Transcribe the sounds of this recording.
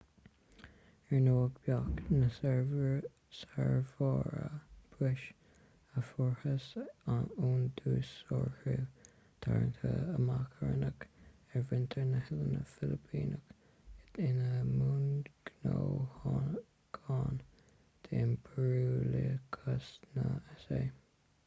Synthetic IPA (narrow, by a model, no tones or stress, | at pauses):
ɛɹnoːəɡbjɑknəsɛɹvəɹ | saɹvɑːɹəb̥ɾɪʃ | əfɔɹhəs | uːnd̪uːsɔɹhuː | t̪ʰa̰ɹə̰nt̪ʰəəmakʰəɹənək | ɛɹvɪnt̪ʰəɹnəhɪlənəfɪlɪpʰiːnək | ɪtɪnəmuːnɡ̥noːhɑ | ɡ̥ʰɑːn | t̪ʰenbʰəɹuːləkʰəsnəɛseː